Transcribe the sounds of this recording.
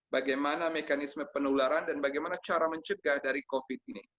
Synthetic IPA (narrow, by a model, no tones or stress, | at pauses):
baɡajmanamekanisməpənulaɾandanbaɡajmanat͡ʃaɾaməɲt͡ʃəɡahdaɾikofit̪̚ini